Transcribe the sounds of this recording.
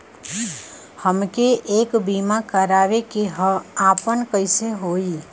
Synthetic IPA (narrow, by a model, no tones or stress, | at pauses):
həmkeʔeːkbiːmakəɾaːʋekeɦəaːpənkəɪseɦoːiː